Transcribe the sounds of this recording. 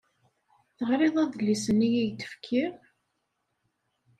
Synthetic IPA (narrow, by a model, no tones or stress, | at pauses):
θəʁɾeðˤæðlːisənːijijt̪ə̥fkʰːiɾ